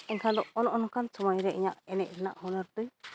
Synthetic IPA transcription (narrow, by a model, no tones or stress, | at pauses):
ɛŋkʰad̪ɔɔnɔʔɔnɔkansɔmajɾɛʔiɲaʔɛnɛc̚ɾɛna̰ʔhunɔɾt̪uj